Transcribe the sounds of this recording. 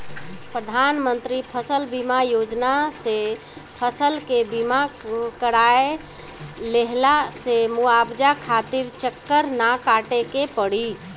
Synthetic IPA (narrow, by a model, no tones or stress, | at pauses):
pɾəd̪ʱanmənt̪ɾipʰəsəlbimajod͡ʒnase | pʰəsəlkebimakəɾae | leɦlasemuabd͡ʒakʰat̪iɾt͡ʃəkːəɾnakaʈekepəɽi